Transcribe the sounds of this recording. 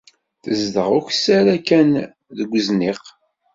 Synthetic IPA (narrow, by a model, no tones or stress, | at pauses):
θəzðəʁʊçsæɾækæn | ðəɡʷəzniq